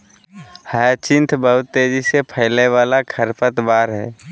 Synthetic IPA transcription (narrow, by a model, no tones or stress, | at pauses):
həjt͡ʃɪ̃nt̪ʰbəɦʊt̪ːeːd͡ʒisepʰəɪleʋaːlakʰəɾpət̪baːɾɦɛ̰ː